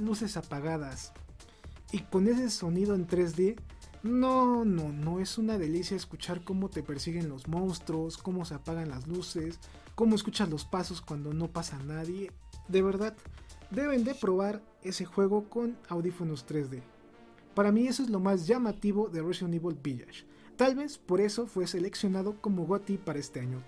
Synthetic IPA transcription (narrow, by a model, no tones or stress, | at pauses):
luse̞sapaɣað̞as | iko̞ne̞s̬e̞so̞niðoent̪ɾe̞zðe̞ | nonono̞e̞sunaðe̞lisjaeskut͡ʃaɾko̞mo̞t̪e̞pe̞ɾsiɣe̞nlo̞zmõ̞nst̪ɾo̞sko̞mo̞se̞apaɣanlazluse̞s | ko̞moes̬kut͡ʃazlo̞spaso̞skwand̪o̞no̞pasanaðje̞d̪e̞βe̞ɾðaðd̪e̞βe̞nd̪e̞pɾoβaɾ | e̞se̞xwe̞ɣo̞ko̞nawðifo̞nost̪ɾe̞zðe̞ | paɾamie̞soezlo̞mazʝamat̪iβo̞ðereʃoniβolbiʎa̰ʃ | t̪alβe̞spo̞ɾe̞so̞fwe̞se̞le̞ksjo̞naðoko̞moɣot̪ipaɾae̞st̪e̞aɲo